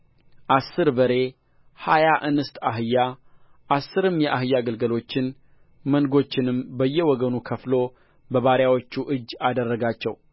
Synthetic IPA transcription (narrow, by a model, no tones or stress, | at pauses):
ʔasːɨɾbəɾe̞ | hajaʔɨnɨst̪ʰʼaɦɨjːa | ʔasːɨɾɨmjɛʔaɦɨjːaɡəlɡəlo̞t͡ʃːɪn | mənɡo̞t͡ʃːɪnɨmbəjːɛwɔɡənukʰəflo̞ | bəβaɾjawot͡ʃːuʔɨd͡ʒːad̪ərːəɡat͡ʃːɛ̰w